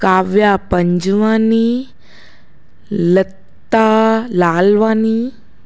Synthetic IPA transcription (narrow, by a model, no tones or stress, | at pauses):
kaːʋjapəɲd͡ʑʋani | lət̪ːalaːlʋani